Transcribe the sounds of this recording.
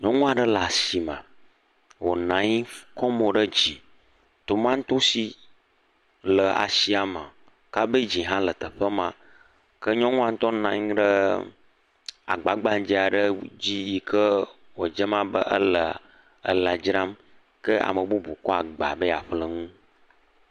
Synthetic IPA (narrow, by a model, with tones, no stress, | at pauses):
ɲɔ̃˦ŋũ˦a˨ɖə˦la˨si˨mə̰̃˨ | wo˨nã˨ɲi˦kɔ˦mo˨ɖə˦d͡ʒi˨ | t̪o˨mã˦ŋ̩˦t̪o˦si˨ | lə˨a̰˨si˨a˨ma˨ | ka˦bə˦d͡ʒi˨ɦã˦lə˨t̪ə˨ɸə˦mã˦ | kə˦ɲɔ̃˦ŋũ˦a˨ŋ̩˦t̪ɔ˦nã˨ɲĩ˦ɖə˦ | a̰˨ɡ͡ba˨ɡ͡ba˦ŋ˦d͡ʒi˦a˨ɖə˦d͡ʑi˦ji˨kə˦ | wo˨d͡ʒə˦mã˦bə̰˦ʔə˦lə˨ | ə̰˨la˨d͡ʒɾa˦m | kə˦a̰˨mə˨bu˦bu˨kɔ˦a˨ɡ͡ba̰˨bə˦a˨ɸlə˨ŋũ˦